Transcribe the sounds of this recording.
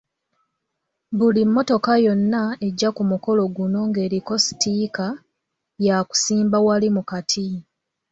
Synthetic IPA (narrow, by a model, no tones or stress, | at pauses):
βulimːo̞to̞kajo̞nːae̞ɟːakumuko̞lo̞ɡuno̞ŋɡe̞ːɾiko̞si̥tiːka | jaku̥siːmbawalimukatʰi